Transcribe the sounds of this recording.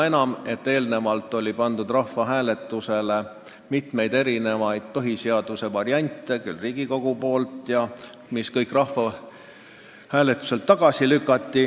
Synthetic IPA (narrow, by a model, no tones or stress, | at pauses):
e̞nɑme̞t̪ːe̞ːlne̞mɑlt̪ːˑo̞lʲipɑnd̪̥ud̪rɑhːɑɦæːle̞t̪ːˑuse̞le | mit̪me̞jd̪̥e̞ɾine̞mɑjd̪̥̚pɤɦiseɑd̪̥use̞vɑɾiɑnʲt̪ːˑe̞kylːriːɡ̥iko̞ɡ̥upo̞ːlt̪ˑjɑ | miskɤjkˑrɑhfɑ | hæːlet̪ːˑu̥se̞lt̪ːɑɡ̥ɑsilykːˑɑt̪ːi